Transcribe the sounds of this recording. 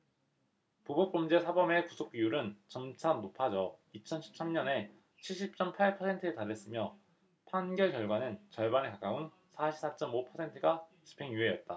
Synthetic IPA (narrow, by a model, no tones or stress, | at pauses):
pobok̚p͈ʌmd͡ʑe̞sʰabʌme̞kusʰok̚ɥijuɾɯnt͡ɕʌmt͡ɕʰanopʰad͡ʑʌit͡ɕʰʌnɕʰi̥p̚s͈amɲʌne̞ | t͡ɕʰiɭɕ͈ʰip̚t͡ɕ͈ʌmpʰaɭpʰʌsʰe̞ntʰɯetaɾe̞s͈ɯmjʌ | pʰanɡjʌɭkjʌɭɡwanɯnt͡ɕʌɭbanekak͈aun | sʰaɕʰi̥sʰat͡ɕ͈ʌmopʰʌsʰe̞ntʰɯɡat͡ɕi̥pʰe̞ŋjue̞jʌt̚t͈a